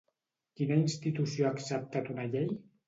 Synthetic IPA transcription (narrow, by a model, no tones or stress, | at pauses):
kinainst̪it̪usioaːksəp̚t̪at̪unaʎej